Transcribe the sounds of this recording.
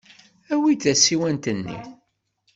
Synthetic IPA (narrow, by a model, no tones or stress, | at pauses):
æwiθæsiwænt̪ənːḭ